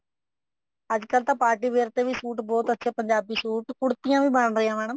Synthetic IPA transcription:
əd͡ʒkəlt̪ãːpaːɾʈiːʋeːɾt̪eːʋiːsuːʈbɔːt̪ətːʃʰeːpəɲd͡ʒaːbiːsuːʈkʊɽt̪ɪjãːʋiːbəɳɾəjãːmɛːɽəm

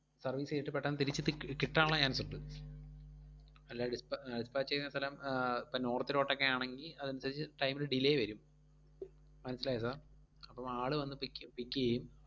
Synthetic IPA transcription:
sɐrʋiːsejiʈːɨpeʈːɐnːɨt̪iɾit͡ɕːɨt̪kiʈːaːɭɐɲaːnsuʈːɨ | ɐlːaɖispɖispaːt͡ɕːt͡ɕejinːɐst̪ʰɐlɐmpːɐnoːrt̪ːiɾo̞ːʈːokːeaːɳeŋɡilɐðɐnusaːd̪it͡ɕːɨʈɐjmilɖileːjʋɐɾum | mɐnɐsːilaːjɐs̬aːr | ɐpːɐmaːɭɨʋɐnːɨpipikʲːuɣɐjum

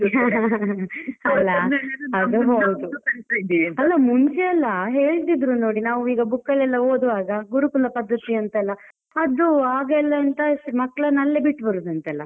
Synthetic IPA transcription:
ɐlːɐɐd̪uɦod̪uɐɐd̪iɐɐlːɐmuɲt͡ʃɛɐlːɐɦe̞ːɭt̪̬id̪ɾunoːɽinaːʋuiːɡɐbukːɐlɛlːɐoːd̪uʋaːɡɐɡuɾukulɐpɐd̪ːɐt̪iɐnt̪ɛlːɐ | ɐd̪uaːɡɛlːɐːnt̪ɐmɐkːɭɐnɐlːebiʈːbɐɾud̪ɐnt̪ɛlːɐ

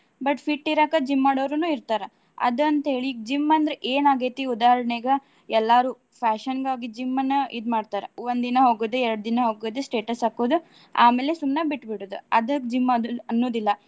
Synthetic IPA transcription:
bɐʈpʰiʈːiɾaːkɐd͡ʒimːaːɽɐʋɾunuːiɾt̪aːɾɐ | ɐ̰d̪ɐnt̪ɐɦe̞ːɭiːɡd͡ʒimːɐnd̪ɾeʔeːnaːɡet̪iud̪aːɦɐɾɐɳɛɡɐ | ɛlːaːɾuː | pʰaːʃɐnɡaːɡid͡ʒimːɐnːɐid̪maːɖt̪aːɾeond̪inɐɦoːɡoːd̪eɛɾɐɽud̪inɐɦoːɡoːd̪esʈe̞ːʈɐsaːkoːd̪u | aːmeːlesumnɐbiʈːbiʈoːd̪uɐd̪ɐd͡ʒimːɐd̪ɐnːoːd̪ilːɐ

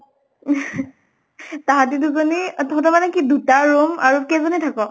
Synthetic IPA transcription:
taɦatidukɔnitʰɔ̃tɔmanɛkidutaɹomaɹukɛzɔnitʰakɔ

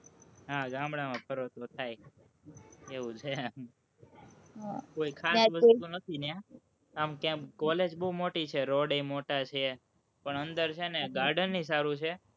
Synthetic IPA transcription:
ɦaɡãmɽamãpʰəɾot̪ot̪ʰaj | eʋũt͡ʃʰeam | ɦakoikʰabəsũnət̪ʰinjã | amkjãkɔled͡ʒbəumoʈit͡ʃʰeɾɔɖemoʈat͡ʃʰe | pəɳənd̪əɾt͡ʃʰeneɡaɾɖənːis̬aɾũt͡ʃʰe

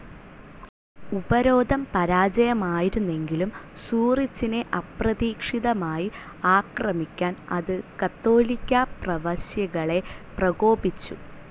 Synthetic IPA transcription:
ubɐɾo̞ːd̪ʱɐmpɐɾaːd͡ʑɐjɐmaːjiɾunːe̞ŋɡilum | suːrit͡ɕːine̞ʔɐprɐðiːkʂiðɐmaːji | aːkrɐmikʲːaːnɐ̰ðɨkɐt̪ːo̞ːlikʲːaprɐʋɐɕjɐɣɐɭe̞prɐɣo̞ːbit͡ɕːṵ

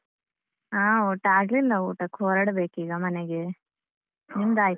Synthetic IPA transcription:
aːoːʈaːɡlilːɐoːʈɐkoːɾɐɽɐbeːkiːɡɐmɐnɛɡi | nimd̪aːj

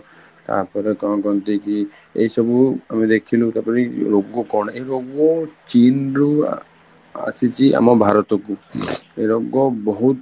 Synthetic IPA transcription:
t̪a̰ɾpɔɾekɔɔkɔnt̪iki | ḛjsɔbuamid̪ekʰilũt̪aɾpɔɾiɾoɡɔkɔɹnaejɾoɡɔt͡ʃinɾu | a̰sit͡ʃʰiʔa̰mɔbʱaɾɔt̪ɔkuejɾoɡɔbɔɦut̪

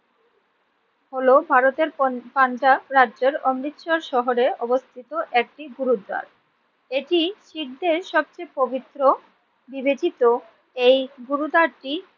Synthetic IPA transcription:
holobʱaɾot̪eɾpand͡ʑaɾaʑeɾɔmɾit̪ʃoɾʃɔɦoɾeɔbost̪ʰit̪oʔɛk̚ʈiɡuɾud̪a̰ɾ | eʈiʃik̚d̪eɾʃɔb̚t͡ɕejpobit̪ːɾo | bibed͡ʑit̪o | ejɡuɾud̪aɾʈi

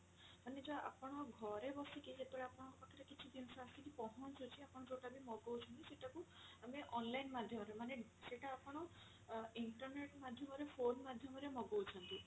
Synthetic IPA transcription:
maned͡ʒɔa̰pɔɽ̃ɔɡʱɔɾebɔsikid͡ʒet̪oɭeapɔɽ̃ɔ̃ŋkɔpakʰiɾekit͡ʃʰid̪insaasikipɔɦɔnt͡ʃut͡ʃʰiapɔɽ̃ɔd͡ʒoʈabʱimɔɡowt͡ʃʰɔnt̪iseʈakuameʔɔnlainmad̪ʱjɔmɔɾemaneseʈaːpɔɽ̃ɔ | iɳʈɔɾneʈmad̪ʱjɔmɔɾepʰonmad̪ʱjɔmɔɾemɔɡowt͡ʃʰɔnt̪u

